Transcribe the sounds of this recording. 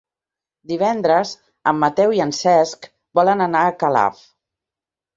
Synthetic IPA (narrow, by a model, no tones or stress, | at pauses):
d̪iβ̞ɛnd̪ɾəz | əmːət̪ɛwiənsɛsk | bɔlənənaəkəla̰f